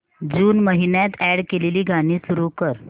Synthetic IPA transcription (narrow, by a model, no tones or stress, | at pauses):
d͡ʑuːnməɦinjat̪æɽkeleliːɡʱaɽ̃iːsuɾukəɾ